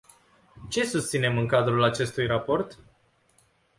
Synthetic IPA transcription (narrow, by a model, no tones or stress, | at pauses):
t͡ʃe̞sust̪sine̞mɨŋkad̪ɾulat͡ʃe̞st̪ujrapo̞rt̪